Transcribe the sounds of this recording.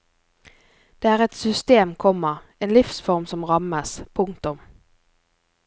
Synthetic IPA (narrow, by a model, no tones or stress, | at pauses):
d̪̥eːæːʁɛt̪sʏst̪eːmkʰɔmːəʁ | eːnlɪfsfɔʁmsɔmʁɑməspʰʊŋ̚t̪ʊm